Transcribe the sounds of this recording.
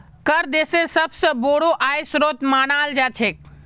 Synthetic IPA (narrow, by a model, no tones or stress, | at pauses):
kəɾd̪eːseɾsɐbsəboːɽoʔaːjsɾoːt̪maːnaːld͡ʒaːt͡ʃʰeːk̚